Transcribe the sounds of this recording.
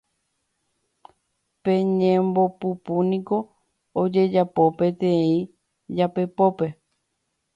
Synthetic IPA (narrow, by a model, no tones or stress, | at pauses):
pẽɲẽmbo̞pupunĩko̞ | od͡ʒe̞d͡ʒapo̞pẽ̞t̪eĩ | d͡ʒape̞po̞pe̞